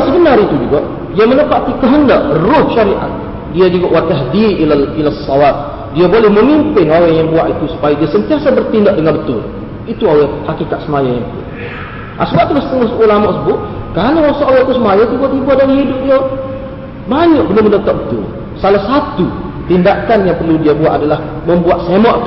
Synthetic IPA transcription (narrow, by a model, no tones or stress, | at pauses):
səbənaɾit̪ud͡ʒuɡaʔ | diamənəpat̪ikəɦəndaʔrʊhʃaɾiʔa̰t̪̚ | diad͡ʒuɡaʔwat̪aɦdilailasːɔlat̪̚ | diabolɛhməmimpɪnawaŋjaŋbuaʔit̪usu̥pajadiasənt̪iasabərt̪indaʔ̚dəŋanbət̪ʊ̰l | it̪uawahakikat̪̚səmajajaŋbṵ | ʔasmaʔt̪ulasə̥t̪əŋasulamɔʔsəbʊʔkanawasaʔawat̪usəmajat̪ubuat̪ibuaʔdaɾiɦidʊp̚dia | baɲɔʔbənaməndat̪aʔ̚bət̪ʊ̰l | salahsat̪u | t̪indakanjaŋpərludiabuaʔadalah | məmbuaʔ̪semɔʔt̪